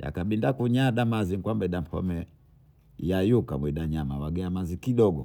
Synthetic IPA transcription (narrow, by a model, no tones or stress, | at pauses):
ja̰kaɓindakuɲaɗamaziŋkwambɛɗam̩pʰɔ̰mɛ | jajuka̰mwiɗaɲamawaɡɛamazikiɗɔɡɔ̰